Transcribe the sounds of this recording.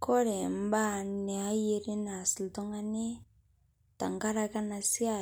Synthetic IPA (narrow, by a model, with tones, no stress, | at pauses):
ko˦ɾe˨m˦ba˦˨ne˨a˦je˦ɾe˦na˨si˨lto˦ŋa˦ne˦ | ta˨ŋɡa˦ɾa˦ka˦na˨si˦a˦˨